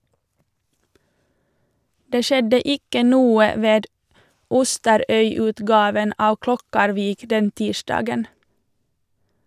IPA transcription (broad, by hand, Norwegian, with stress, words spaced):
ˈdeː ˈʃɛdə ˈɪkə ˈnuːə ˈʋeːd ˈʊstəɾœʏˌʉːtɡɑːʋən ˈɑː ˈklɔkɑɾʋiːk ˈdɛn ˈtiːʃdɑːɡən